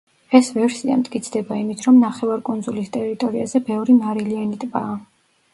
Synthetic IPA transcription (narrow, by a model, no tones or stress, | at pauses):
ɛsvɛɾsia̰mt̪ʼkʼit̪sʰd̪ɛbaimit̪ʰɾɔmnaχɛvaɾkʼund̪zulist̪ʼɛɾit̪ʼɔɾiazɛbɛvɾimaɾilianit̪ʼbaː